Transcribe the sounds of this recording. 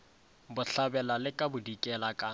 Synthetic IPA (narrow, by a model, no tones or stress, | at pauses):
bʊɬabɛlalɪkʼabʊdikʼɛlakʼa